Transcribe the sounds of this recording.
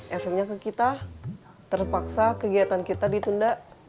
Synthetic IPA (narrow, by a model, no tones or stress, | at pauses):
ʔɛfɛk̚ɲakəkit̪a | t̪ərpaksakəɡiat̪ankit̪adit̪undaʔ